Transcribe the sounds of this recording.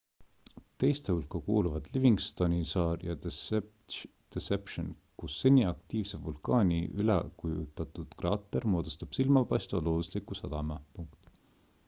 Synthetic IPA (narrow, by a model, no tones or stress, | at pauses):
t̪e̞jst̪ehulkɑkuːluvɑd̪̥liviŋɡst̪ɑnʲisɑːrjɑ | d̪̥esepʃon | kusːenʲiɑk̚t̪iːvsevulkɑːnʲiʔylḛkujṵt̪ːˑɑt̪ud̪̥krɑːt̪ːˑermo̞ːd̪̥ust̪ɑb̥silmɑpɑjst̪vɑ̰lo̞ːd̪uslikusɑd̪̥ɑmɑpuŋkt̪